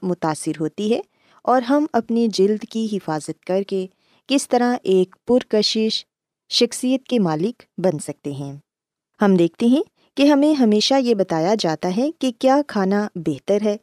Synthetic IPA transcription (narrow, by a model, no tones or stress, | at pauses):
mʊt̪aːsːɪɾɦoːt̪iɦɛ | ɔːɾɦɐmɐpned͡ʒɪld̪kiɦɪfaːzət̪kɐɾke | kɪst̪ɐɾaʔeːkpʊɾkɐʃɪʃ | ʃɐxsijət̪̚kemaːlɪkbɐnsɐk̚t̪eɦɛ̃ː | hɐmd̪eːk̚ʰt̪eɦɛ̃ | keɦɐmẽɦɐmeːʃajebɐt̪aːjad͡ʒaːt̪aɦɛkekjaːkʰaːnabɛːɦt̪əɾɦɛː